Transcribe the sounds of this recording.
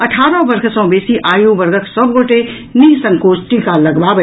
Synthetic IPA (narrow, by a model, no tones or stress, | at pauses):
ɐʈʰaːɾəbɐɾkʰsɔ̃beːsiʔaːjũbɐɾɡəksɐbɡoːʈe | niɦsɐ̃ŋkoːsʈikalɐɡbaːb